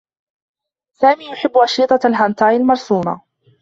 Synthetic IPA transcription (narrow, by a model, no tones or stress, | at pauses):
saːmiːjʊħɪbːʊʔɑʃiːt̪ˤɑalɦant̪ˤɑːjalmɑɾˤsuːma̰